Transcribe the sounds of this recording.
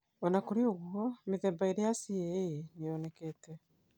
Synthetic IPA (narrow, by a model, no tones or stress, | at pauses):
onakuɾioɣuɔmiðeːmbaeɾejasienijoːnekeːte